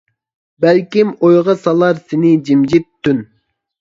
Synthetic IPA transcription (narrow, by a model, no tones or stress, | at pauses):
bɛlkʲimojʁɑsɑlˠɑɾsɪnɪd͡ʒimd͡ʒip̚t̪ʰːyn